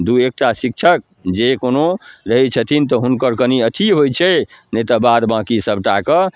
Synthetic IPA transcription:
d̪uek̚ʈasik̚t͡ʃʰək̚ | d͡ʒekonoɾəɦɛt͡ʃʰət̪ʰint̪ɔɦunkəɾkəniət̪ʰiɦojt͡ʃʰɛnet̪əbad̪bãkisəbʈakə

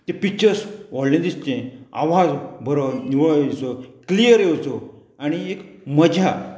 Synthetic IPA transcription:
t̪ẽpik̚t͡ɕəɾsɔllẽd̪ist̪ẽa̰ʋad͡zbʱəɾəniʋəet͡sɔklijəɾjewt͡sɔ | añiekməd͡ʑʱa

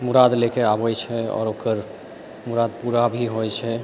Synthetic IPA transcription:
muɾad̪lekeabəjt͡ʃʰɛɔ̰ːɾokəɾ | muɾad̪̚puɾabʱiɦojt͡ʃʰɛ

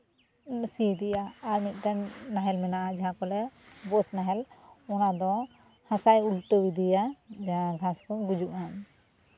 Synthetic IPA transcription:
sid̪ijaːɾmit̪̚ˀtanːaɦɛlmɛnaʔad͡ʒaɦãkɔlɛbɔsnaɦɛlɔnad̪ɔ | hãsajulʈowid̪ijad͡ʒaɦãɡʱãskɔɡud͡ʒuʔan

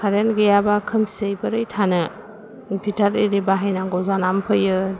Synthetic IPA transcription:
kʰaɾenɡɯjabakʰɯmsejbɯɾɯjtʰanɯ | pʰitʰaɾiɾibaɦajnaŋɡɔzanampʰɯjɯ

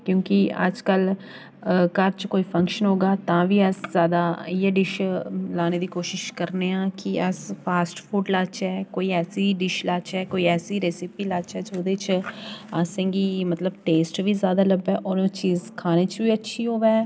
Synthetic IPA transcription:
kjõːkiə̰d͡ʒkəl | kəɾt͡ʃkoːiːpʰə̃ŋkʃənɦoːɡaːt̪ãːʋiːəszjaːd̪aːiːɛːɖɪʃlaːneːd̪iːkoːʃɪʃkəɾneːãːkɪəspʰaːsʈfʰuːʈlaːt͡ʃɛːkoːiːɛːsiːɖɪʃlaːt͡ʃɛːkoːiːɛːsiːɾeːsiːpiːlaːt͡ʃɛːd͡ʒoːd̪eːt͡ʃasẽːŋɡiːmət̪ləbʈeːsʈʋiːzjaːd̪aːləbɛːʔɔːɾt͡ʃiːzkʰaːneːt͡ʃʋiːətːʃʰiːɦoːʋɛː

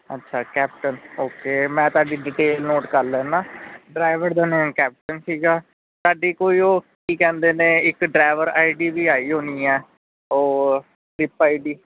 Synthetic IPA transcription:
ə̰tːʃʰaːkɛːp̚ʈənoːkeːmɛ̃ːt̪aːɖiːɖɪʈeːlnoːʈkəɾlɛ̃ːnãːɖɾaːɪʋəɾd̪aːnẽːkɛːp̚ʈənsiːɡaː | saːɖiːkoːiːoːkiːkɛ̃ːnd̪eːnẽːɪkɖɾaːɪʋəɾaːiɖiːbiːaːiːɦoːniːɛː | oː | ʈɾɪpaːiɖiː

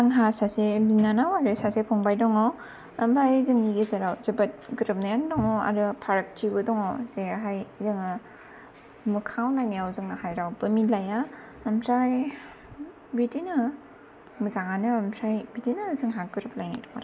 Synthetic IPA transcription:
aŋɦasasebinanawaɾɯsasepʰɔŋbajdɔŋaw | ɐmpʰajzɯŋniɡezaɾawzɯbat̚ɡɯɾɯp̚najandɔŋɔa̰ɾɯpʰaɾak̚tibɯdɔŋɔzeɦajzɯŋɯ | mɯkʰawnajniawzɯŋnahajɾawbɯmilaja | ɐmsaj | bitinɯ | mɯzaŋanɯːmsajbitinɯzɯŋɦaɡɯɾɯp̚lajnajdɔŋaɾ

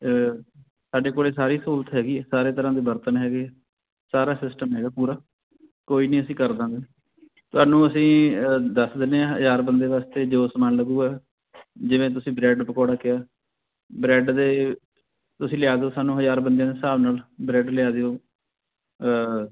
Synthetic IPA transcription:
saːɖeːkoːleːsaːɾiːsuːlt̪ɦɛːɡiːsaːɾeːt̪əɾãːd̪eːbəɾt̪ənɦɛːɡeː | saːɾaːsɪsʈəmɦɛːɡaːpuːɾaː | koːiːnĩːəsĩːkəɾd̪ãːɡ̪eː | t̪ʊaːnũːəsĩːd̪əsd̪ɪneːãːɦəzaːɾbənd̪eːʋaːst̪eːd͡ʒoːsəmaːnləɡuːɡɛː | d͡ʒɪʋẽːt̪ʊsĩːbɾɛːɖpəkɔːɽaːkɪaː | bɾɛːɖd̪eː | t̪ʊsĩːlɪjaːd̪eoːsaːnũːɦəzaːɾbənd̪ijãːd̪eːsaːʋnaːlbɾɛːɖlɪjaːd̪eːoː

